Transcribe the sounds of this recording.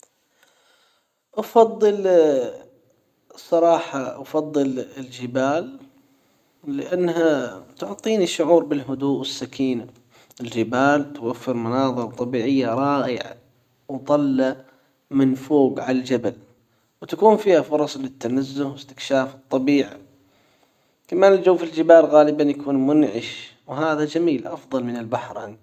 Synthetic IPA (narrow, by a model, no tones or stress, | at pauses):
ʔɑfɑðˤːɨl | sˤɑɾˤɑːħɑʔafɑðˤːɨlɪld͡ʒɪbaːl | ɪʔanːɦat̪ʊʕt̪ˤiːniʃːʊʕuːɾbɪlɦʊd̪uːʔwɪsːakiːna | ɪld͡ʒɪbaːlt̪wafːɪɾmanɑːðˤɨɾˤɑt̪ˤːɑbiːʕɪjːaɾˤɑːʔɪ̰ʕ | wt̪ˤɑlːa | mɪnfoːɡʕalald͡ʒabal | wt̪akuːnfiːhafʊɾˤɑsˤlɪt̪ːanazːʊhwɪst̪ɪ̥kʃaːfɨt̪ˤːɑbiːʕa̰ | kamaːnɪld͡ʒawːfild͡ʒɪbaːlɣaːlɪbanjakuːnmʊnʕɪʃwɦaːðad͡ʒamiːlʔɑfðˤɑlmɪnɪlbaħɾ̰n